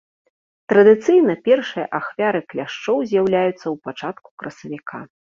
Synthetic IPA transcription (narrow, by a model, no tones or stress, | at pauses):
t̪ɾɐd̪ɨt̪sɨjnɐpʲɛrʂɨjɐ̰ʔaxvʲaɾɨklʲaʂt͡ʂɔwzʲjawlʲajut̪sːɐwpat͡ʂat̪ku̥kɾɐsɐvʲikʰa